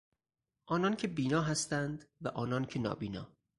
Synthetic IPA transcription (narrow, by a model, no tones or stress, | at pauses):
ʔɒːnɒːncʰe̞biːnɒːɦæst̪ænd̪væʔɒːnɒːncʰenɒ̰ːbiːnɒ̰ː